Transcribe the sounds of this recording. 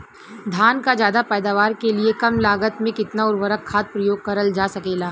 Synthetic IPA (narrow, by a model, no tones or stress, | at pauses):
d̪ʱaːnkad͡ʒjaːd̪apɛːd̪aːʋaːɾkeliekɐmlaːɡət̪mẽkɪt̪naʊɾʋəɾəkʰːaːt̪̚pɾɐjoːɡ̚kɐɾəld͡ʒaːsɐkeːlaː